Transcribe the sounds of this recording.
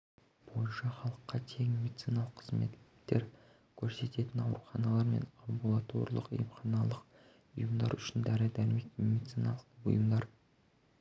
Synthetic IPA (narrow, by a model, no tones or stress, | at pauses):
b̥o̞jnʃɑχɑlˠəqːɑt̪ʰe̞ŋmedit̪sijnɑlˠəqʰəzme̞̰t̪ːe̞ɾ | kʲʰɵɾse̞t̪e̞t̪ɪnɑwɾuχɑnɑlˠɑɾme̞̰nambulˠat̪ʰo̞̰ɾlˠə̰qʊ̰jəmχɑnɑlˠəq | ʊ̰jəmd̪ɑ̰ɾʏʃɪnd̪æɾɪd̪æɾmet̪med̪it̪sinɑlˠət̪əbʊ̰jəmd̪ɑɾ